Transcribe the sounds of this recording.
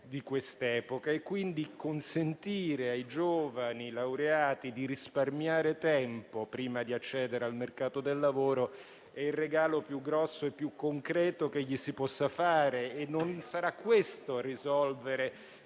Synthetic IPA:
d̪ikwest̪ɛːpokaekːwind̪ikonsent̪iːɾeajd͡ʒoːvanilawɾeaːt̪id̪iɾisparmjaːɾet̪ɛmpopɾiːmad̪iat͡ʃːɛːd̪eɾealmerkaːt̪od̪elːavoːɾo | ɛilrːeɡaːlopjuɡːɾɔsːoepːjukːoŋkɾɛːt̪okeʎːisipɔsːafaːɾeːnːonsaɾakːwest̪orizɔlveɾe

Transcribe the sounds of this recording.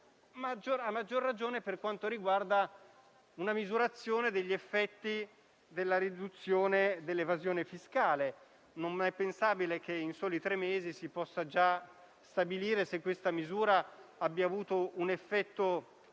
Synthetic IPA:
mad͡ʒoɾamːad͡ʒːorːad͡ʒoːneperkwant̪oɾiɡward̪a | unamizuɾat̪sːjoːned̪eʎːefːɛt̪ːi | d̪elːaɾid̪ut̪sːjoːned̪elːevazjoːnefiskaːle | nommɛpːensaːbilek̟einsoːlit̪ɾemːeːzisipɔsːad͡ʒa | st̪abiliːɾesekːwest̪amizuːɾaabːjaːvuːt̪ounefːɛt̪ːo

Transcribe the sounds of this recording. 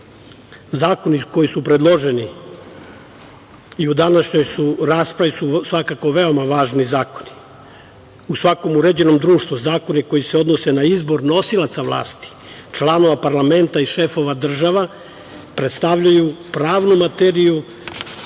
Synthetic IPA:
zaːko̞niko̞jisupɾe̞d̪lˠo̞ʒeni | iud̪anaʃɲo̞jsuɾaːspɾaʋisusʋakako̞ʋe̞o̞maʋaːʒnizaːko̞̥ni̥ | usʋako̞muɾe̞d͡ʑe̞no̞md̪ɾuːʃt̪ʋuzaːko̞niko̞jiseo̞d̪no̞se̞naizbo̞ɾno̞silˠat̪saʋlˠa̰ːst̪i̥ | t͡ʃlˠano̞ʋapaɾlame̞nt̪aiʃefo̞ʋad̪r̩ʒaʋa | pɾet̪st̪aʋʎajupɾaːʋnumat̪eɾiju

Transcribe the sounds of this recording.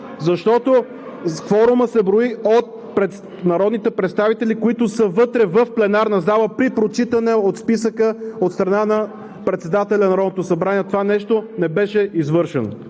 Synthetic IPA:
zɐʃt̪ɔt̪o | fɔɾʊməsɛbɾoiot̪̚ | pɾɛt̪ | nɐɾɔd̪nit̪ɛpɾɛt̪st̪avit̪ɛlikoit̪ʊsəvɤt̪ɾɛvəfplɛnaɾnɐzaləpɾipɾot͡ʃit̪ənɛot̪spisəkəot̪st̪ɾɐnanɐ | pɾɛt̪sɛd̪at̪ɛlʲɐnɐɾɔd̪not̪oʊsɐbɾaniɛt̪ovanɛʃt̪onɛbɛʃɛizvɤɾʃɛno

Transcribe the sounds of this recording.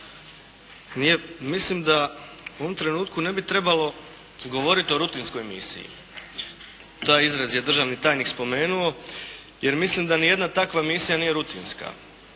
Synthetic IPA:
niemislimd̪auoʋomt̪ɾe̞nuːt̪kune̞bit̪ɾe̞balo̞ | ɡo̞ʋo̞ɾit̪io̞ɾut̪inskojmḭsḭjḭ | t̪aːjizɾazje̞d̪r̩ʒaʋnit̪aːjnikspo̞me̞ːnuo̞ | je̞ɾmislimd̪anije̞d̪nat̪akʋamisijanije̞ɾut̪inska̰

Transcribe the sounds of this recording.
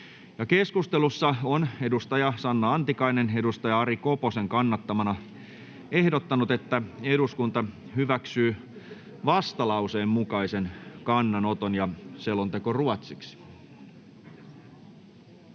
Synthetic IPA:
jɑkeskust̪e̞lusːɑone̞dust̪ɑjɑsɑnːɑɑnt̪ikɑine̞ne̞dust̪ɑjɑɑɾiko̞po̞se̞ŋkɑnːɑt̪ːɑmɑnɑ | ehdot̪ːɑnut̪e̞t̪ːæe̞duskunt̪ɑ | hyʋæksyː | ʋɑst̪ɑlɑwse̞ːmmukɑise̞nkɑnːɑno̞t̪onjɑselont̪e̞koruɑt̪siksi̥

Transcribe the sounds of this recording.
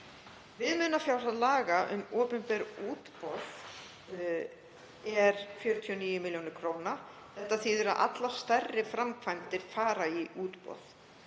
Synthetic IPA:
vɪðmʏnafjawsaðlaːɣaʔʏ̰moːpʏnpɛɾuːt̪pɔð̥ | ɛɾ̥fjœːɾʏt̪ʰiɔniːjʏmɪljownɪɾ̥kʰɾoːwna | θɛht̪ːaθiːðʏɾaðʔa̰t̪lḁst̪ɛrːɪfɾamkʰvajmt̪ɪɾ̥faːɾaiʔuːt̪pɔ̰ð̥

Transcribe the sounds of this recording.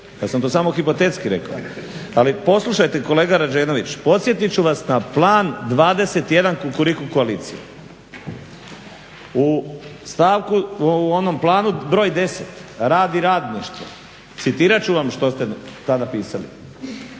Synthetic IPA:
ja̰ːsamt̪osaːmo̞xipo̞t̪et̪skiɾeka̰ | alipo̞slˠuʃajt̪e̞ko̞le̞ːɡaɾad͡ʒeːno̞ʋit͡ɕpo̞t̪sje̞t̪it͡ɕuʋasnaplˠaːnd̪ʋaːd̪e̞se̞t̪je̞d̪ankukuɾikukoaliːt̪sijḛ | ust̪aːʋkuonomplˠaːnubɾo̞ːjd̪e̞set̪ɾaːd̪iɾaːd̪niʃt̪ʋo̰ | t̪sit̪iːɾat͡ɕuʋamʃt̪o̞st̪et̪ad̪apiːsalḭ

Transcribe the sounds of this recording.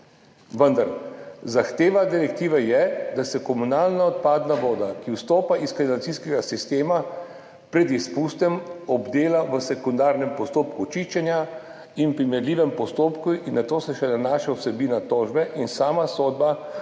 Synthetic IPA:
ʋənd̪aɾzaxt̪eːʋad̪iɾɛkt̪iːʋɛjɛd̪asɛkɔmunaːlnaɔt̪̚paːd̪naʋoːd̪akiwst̪oːpaʔiskinant̪siskɛɡasist̪eːma | pɾɛd̪ispuːst̪ɛmɔbd̪eːlaʋəsɛkund̪aːɾnɛmpɔst̪oːpkut͡ʃiʃt͡ʃɛnja | inpɾimɛɾliːʋɛmpɔst̪oːpkuinːat̪oːsɛʃɛnanaːʃawsɛbiːnat̪oːʒbɛʔinsaːmasoːd̪̚ba

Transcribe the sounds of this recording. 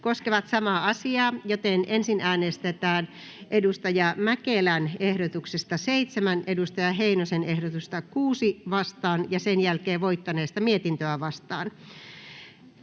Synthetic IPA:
koskeʋɑt̪sɑmɑɑsiɑːjot̪enensinæːnest̪et̪æːn | ʔedust̪ɑjɑmækelænehdot̪uksest̪ɑseit̪semænedust̪ɑjɑheinosenehdot̪ust̪ɑkuːsiʋɑst̪ɑːnjɑsenjælkeːʋoit̪ːɑneːst̪ɑmiet̪int̪øæʋɑst̪ɑ̰ːn

